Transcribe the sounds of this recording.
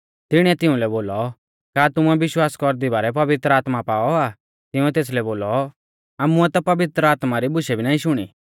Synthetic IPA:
t̪ɪɽ̃ɛt̪ɪũlɛboːlɔ | kaːt̪ʊɛbɪʃwaːskɔɾd̪ibaːɾɛpɐʋɪt̪ɾəaːt̪mapaːɔa | t̪ɪũɛt̪eːs̬lɛboːlɔ | aːmuɛt̪apɐʋɪt̪ɾəaːt̪maɾibʊʃɛbʱinaːĩʃʊɽ̃ḭː

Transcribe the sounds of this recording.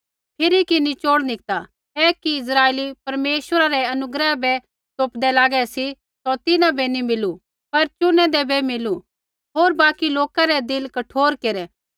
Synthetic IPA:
pʰɪɾikinit͡ʃoːɽnɪk̚t̪a | ɛːkiɪs̬ɾaːelipɐɾmeːʃwəɾaɾɛɐnʊɡɾɛbɛ | t̪oːpd̪ɛlaːɡɛsi | sɔt̪ɪnãbɛnimɪlu | pɐɾt͡ʃʊnɛ̃d̪ɛbɛmɪlu | ɦoːɾbaːkiloːkaɾɛd̪ɪlkɐʈʰoːɾkeɾɛ

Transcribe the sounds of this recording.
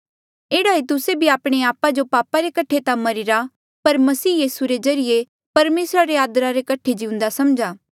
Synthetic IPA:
eːɽaet̪ʊsebʱiaːpɽ̃eaːpad͡ʒopaːpaɾekɐʈʰet̪amɐɾɪɾa | pɐɾmɐsiːjiːsuɾezɐɾɪje | pɐɾmeːsɾaɾeaːd̪ɾaɾekɐʈʰed͡ʒiʊ̃nd̪asɐmd͡ʒaː

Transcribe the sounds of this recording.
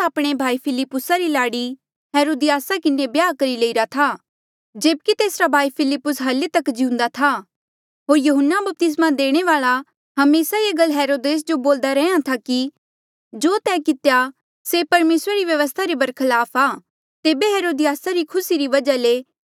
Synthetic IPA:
saːpɽ̃ebʱaːipʰɪlɪpːʊsaɾilaːɽi | ɦeːɾoːd̪ɪjaːsakɪnːebjaːkɐɾileiɾat̪ʰaː | d͡ʒeːb̚kit̪eːsɾabʱaːipʰɪlɪpːʊsɦɐlet̪ɐkd͡ʒiũnd̪at̪ʰa | ɦoːɾjɐɦənːabɐp̚t̪ɪs̬mãd̪eːɽ̃eʋaːɭa | ɦɐmeːsaieɡəlɦɛːɾoːd̪eːs̬d͡ʒoboːld̪aɾɛ̃jãt̪ʰaki | d͡ʒoːt̪ɛːkɪt̪eja | sepɐɾmeːsɾaɾiʋjɐʋəs̬t̪ʰaɾibɐɾkʰɐlaːpʰaː | t̪eːbeɦeːɾoːd̪ɪjaːsaɾikʰʊsiɾiʋɐd͡ʒale

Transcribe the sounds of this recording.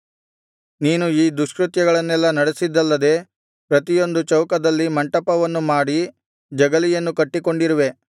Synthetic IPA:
niːnuiːd̪uʂkɾut̪jɐɡɐɭɐnːɛlːɐnɐɽesid̪ːɐlːɐd̪e̞ | pɾɐt̪ijo̞nd̪ut͡ʃɐwkɐd̪ɐlːimɐɳʈɐpɐʋɐnːumaːɽi | d͡ʒɐɡɐlijɐnːukɐʈːiko̞ɳɖiɾuʋe̞

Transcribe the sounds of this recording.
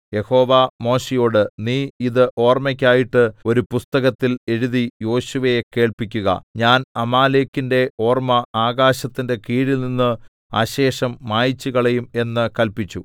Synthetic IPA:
je̞ho̞ːʋamo̞ːɕijo̞ːɽɨniːiðɨʔo̞ːrmɐkʲːaːjiʈːɨo̞ɾupust̪ɐɣɐt̪ːile̞ɻuðijo̞ːɕuʋɐjeke̞ːɭpikʲːuɣɐ̰ɲaːnɐmaːle̞ːkːinde̞o̞ːrmɐaːɣaːɕɐt̪ːinde̞kiːɻilninːɨ | a̰ːɕe̞ːʂɐmːaːjit͡ɕːuɣɐɭejume̞nːɨkɐlpit͡ɕːu

